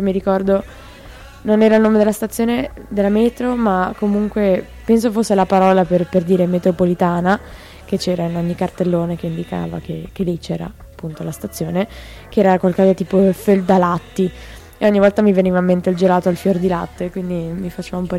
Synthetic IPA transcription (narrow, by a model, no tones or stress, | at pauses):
miɾikɔrd̪o | nonɛːɾailnoːmed̪elast̪at̪sːjoːned̪elːamɛːt̪ɾomakːomuŋkwe | pɛnsofosːelapaɾɔːlaperperd̪iːɾemet̪ɾopolit̪aːna | ket͡ʃːɛːɾainoɲːikːart̪elːoːnek̟eind̪ika̰ːva̰kek̟elɛt͡ʃɛːɾa̰apːunt̪olast̪at̪sːjoːne | keɛːɾakwalkɔːzat̪iːpoføld̪alat̪ːi | ɔɲːivɔlt̪amiveniːvaimːent̪eald͡ʒelaːt̪oalfjord̪ila̰t̪ːeːkwind̪imifat͡ʃeːvaumpɔ